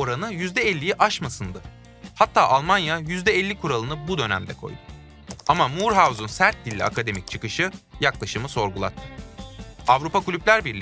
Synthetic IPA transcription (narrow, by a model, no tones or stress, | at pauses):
o̞ɾanɯjyzd̪ɛɛlʲːijiʔaʃmasɯnd̪ɯ | hat̪ʰːaːʔalˠmanjajyzd̪ɛɛlʲːikʰuɾalˠɯnɯbud̪ø̞næ̰md̪ɛkʰo̞̰jd̪u | amamuɾɦawzunsæɾt̪̚d̪ilʲːɛ̰a̰kʰad̪e̞mic̚t͡ʃʰɯkɯʃɯjaklˠaʃɯmɯso̞ɾɡulˠa̰t̪ʰːɯ̥ | avɾupakulʲyplʲæɾbiɾlʲi